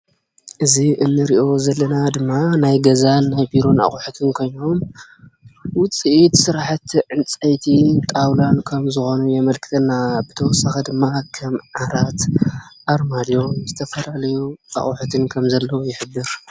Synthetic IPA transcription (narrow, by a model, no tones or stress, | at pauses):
ʔɨziʔɨnːɨɾiʔo̞zɐlːɐnad̪ɨmːanajɡɐzanːajbiɾo̞na̰χʼuħut̪ʰɨnkʰo̞jno̞m | wʊt͡sʼiʔit̪sɨɾaħat̪ʕɨnt͡sʼɐjt̪ʰit̪ʼawlankʰɐmzɨxo̞nujɛmɐlkʰɨ̥t̪ʰɐnːabɨt̪ʰɐwɔsːaxed̪ɨmːakʰɐmʕaɾat̪ʔaɾmad̪jo̞zɨt̪ʰɐfɐlalɐjuʔa̰χʼuħut̪ʰɨnkʰɐmzɐlːɐwojɪħɨbːɨɾ